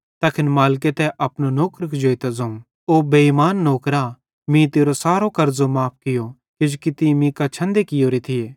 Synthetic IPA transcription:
t̪aːkʰɪnmaːlk̬et̪ɛʔɐpnonoːkɾkd͡ʒoːit̪azɐ̃ũ | oːbɐimaːnːoːkɾa | mĩt̪eːɾosaːɾokɐɾzomaːp̚ʰkɪjo | kɪd͡ʒukɪt̪imĩkɐt͡ʃʰɐ̃nd̪ekɪjoːɾit̪ʰɪjeː

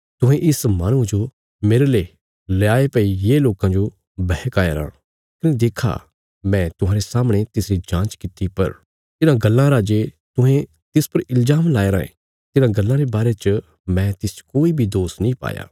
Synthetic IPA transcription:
t̪ʊɦẽʔɪsmaːñʊ̃d͡ʒo | meːɾele | ljaːepəijeːloːkãd͡ʒo | bɛɦekaːjeɾã̰ː | kɐned̪eːkʰa̰ | mɛ̃t̪ʊɦãːɾesaːmɽ̃et̪ɪsɾid͡ʒãːt͡ʃkɪt̪ipɐɾ | t̪ɪnãɡɐlːãɾaːd͡ʒet̪ʊɦẽ | t̪ɪspɐɾɪlzaːmlaːeɾaːḛ̃ | t̪ɪnãɡɐlːãɾebaːɾet͡ʃə | mɛ̃t̪ɪskoːibʱid̪oːsnĩpa̰ːja̰ː

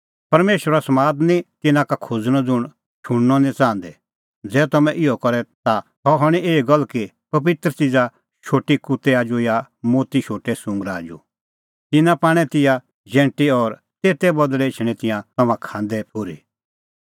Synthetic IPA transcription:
pɐɾmeːʃwəɾasɐmaːd̪nĩt̪ɪnãkakʰod͡zɽ̃ɔd͡zʊɽ̃ | t͡ʃʰʊɽ̃nɔnĩt͡sãːnd̪ɛ | d͡zɛːt̪ɔmɛ̃ʔɪɔkɔɾɛt̪ahɔɦɔɽ̃iʔeːiɡɔlːki | pɐʋɪt̪ɾət͡sid͡za | ʃʰoːʈikʊt̪ɛaːd͡ʒujamoːt̪iʃʰoːʈɛsʊ̃ŋɡɾaːd͡ʒṵ | t̪ɪnãpaːɽ̃ɛt̪ɪjã | d͡ʒɛ̃ːɳʈiɔɾ | t̪eːt̪ɛbɐd̪lɛɪt͡ʃʰɽ̃ɛt̪ɪ̃jãt̪ɐmãkʰãːnd̪ɛpʰʊɾḭ

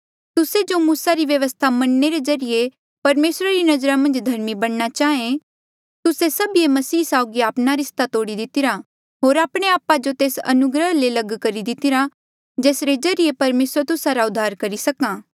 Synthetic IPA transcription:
t̪ʊsed͡ʒomuːsaɾiʋjɐʋəst̪ʰamɐɳneɾezɐɾije | pɐɾmeːsɾaɾinɐzɾamɐ̃nd͡ʒd̪ʱɐɾmibɐɽnat͡ʃaːẽ | t̪ʊsesɐbiemɐsiːsaːʊɡiaːpnaɾɪst̪at̪oːɽid̪ɪt̪ɪɾa | ɦoːɾaːpɽ̃eaːpad͡ʒot̪eːsɐ̰nʊɡɾəɦlelɐɡkɐɾid̪ɪt̪ɪɾa | d͡ʒeːsɾezɐɾijepɐɾmeːsɾət̪ʊsaɾaʊd̪ʱːaːɾkɐɾisɐkãː

